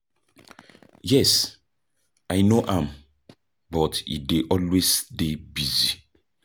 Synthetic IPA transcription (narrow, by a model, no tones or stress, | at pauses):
jɛs | ajnoʔãm | bɔtḭdeʔɔlwesdebizi